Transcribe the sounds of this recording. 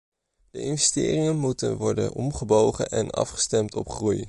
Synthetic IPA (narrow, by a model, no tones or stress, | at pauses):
d̥əʔɪnvɛstɪːrɪŋənmutənʋɔɹdə̰nʔɔmχəbowχə̰ʔɛnɑ̰fχə̥stɛmtɔpχruj